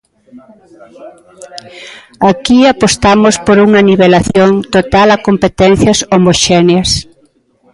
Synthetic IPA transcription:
akiapost̪amospoɾuŋɐniβelaθjoŋt̪ot̪alakompet̪ɛn̟θjɐsomoʃɛneɐs

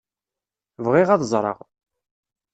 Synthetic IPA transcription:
vʁiʁɑðzˤɾˤɑ̰ʁ

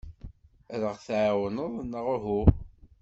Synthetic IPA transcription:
æðəʁθʕawənəðˤnːəʁʊɦu

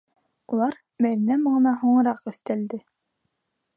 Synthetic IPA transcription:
ulˠɑɾ | mæðinæmɤ̆ɴɤ̆nɑɦuɴɤ̆ɾɑqɵ̆θt̪æld̪ɘ

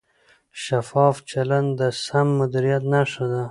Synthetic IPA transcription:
ʃafɑːft͡ʃaland̪d̪əsamːʊd̪iɾijat̪naʂad̪a

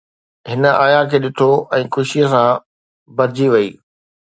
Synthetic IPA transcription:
ɦɪnəaːjakʰeːɗɪt̪ʰoɛ̃ːxʊʃiəsã | bɐɾd͡ʑiʋɐḭː

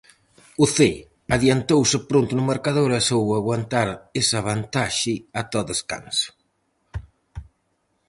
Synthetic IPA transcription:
uθe | aðjant̪owsɪpɾont̪ʊnʊmaɾkaðoɾɛsowaɣwant̪aɾesaβant̪aʃɪat̪ɔðeska̰nsʊ̥

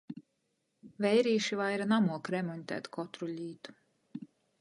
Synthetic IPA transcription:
vɛjɾiːʃivajɾanamuɔkɾɛmɔnʲt̪æ̰ːt̪kʰɔt̪ɾulʲiːt̪u̥

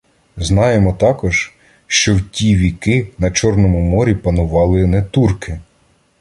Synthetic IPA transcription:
znɑjemɔt̪ɑkɔʒ̥ | ʃt͡ʃɔwtʲiʋʲikɪnɐt͡ʃɔrnɔmʊmɔɾʲipɐnʊʋɑlˠɪnɛt̪urkɪ

